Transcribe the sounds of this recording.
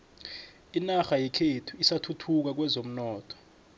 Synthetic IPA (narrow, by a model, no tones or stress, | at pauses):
inaxajɛkʰetʰuisatʰutʰuk̬ak̬wɛzom̩nɔːtʰɔ̥